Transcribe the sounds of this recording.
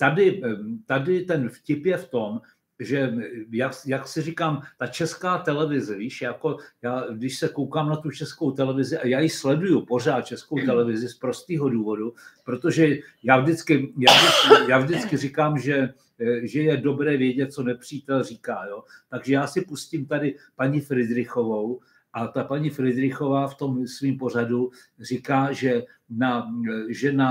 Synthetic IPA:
t̪adɪt̪adɪt̪ɛnfcɪpjɛft̪o̞m | ʒɛjakjaksɪrɪkaːmt̪at͡ʃɛskaːt̪ɛlɛvɪzɛviːʃjako̞jaːdɪʃsɛkowkaːmnat̪ut͡ʃɛsko̞wt̪ɛlɛvɪzɪʔajaːjɪslɛdujupo̞r̝aːt̪̚t͡ʃɛskowt̪ɛlɛvɪzɪspɾo̞st̪iːɦo̞duːvo̞dupɾo̞t̪o̞ʒɛjaːvʒdɪt͡skɪjaːdɪkjaːvʒdɪt͡skɪrɪkaːmʒɛ | ʒɛjɛdo̞bɾɛːvjɛɟɛt̪̚t͡so̞nɛpr̝̥iːt̪ɛlriːkaːjo̞ːt̪aɡʒɛjaːsɪpusciːmt̪adɪpaɲifɾɪdɾɪxo̞vo̞w | ʔat̪apaɲifɾɪd̪ɾɪxo̞vaːft̪o̞msviːmpo̞r̝adu | rɪkaːʒɛ | naʒɛna

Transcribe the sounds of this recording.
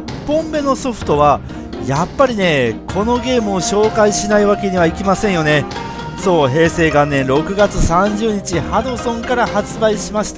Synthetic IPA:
põ̞mbe̞no̞so̞ɸɯ̟̥t̪o̞βa | japːaɾʲine̞kʰo̞no̞ɡe̞ːmɯ̟oɕo̞ːkaiɕinaiβake̞ɲ̟iβaikʲimasẽ̞ɰ̃jo̞ne̞ | so̞ːɦe̞ːse̞ːɡãnːẽ̞ɾo̞kɯ̟ɡat͡sɨsãɲ̟d͡ʑɨːɲ̟it͡ɕihad̪o̞sõ̞ŋkaɾahat͡sɨbaiɕimaɕi̥t̪a

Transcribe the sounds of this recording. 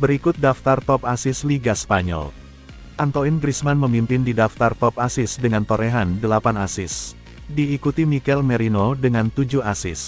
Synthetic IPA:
bəɾikʊt̪̚daft̪art̪ɔpasɪsliɡasə̥paɲɔ̰l | ʔant̪oinɡɾismanməmimpɪndidaft̪art̪ɔp̚asɪsdəŋant̪oɾeɦandəlapanasɪs | diːkut̪imikɛlmɛɾinodəŋant̪ud͡ʒuhasɪs

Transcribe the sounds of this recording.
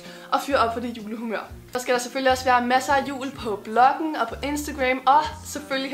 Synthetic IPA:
ʔɒ̽fyɐɒ̽b̥fʰɒ̽d̥e̝jṵːləɦumøɐ̰ | sɒ̽sɡ̥æɾ̥ɑ̈seføl̰iɒ̽sʋæːɐmæsɐæjṵːlpʰɒ̽b̥lɒ̽ɡ̥n̩ɒ̽pʰɒ̽ʔe̝nsd̥æɡ̥ʁɛmɒ̽sefølji

